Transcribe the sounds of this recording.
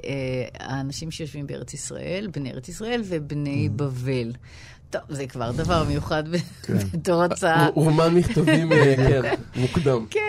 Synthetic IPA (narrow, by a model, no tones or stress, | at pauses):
ʔea̰ːnaʃimʃejo̞ʃvimbeḛʁet͡sisʁa̰ʔe̞lbneeʁet͡sisʁae̞lvebne̞jbave̞l | to̞vzekva̰ʁd̪avaʁme̞juχadbekbetoʁat͡saamanmiχt̪avimkenmukd̪amke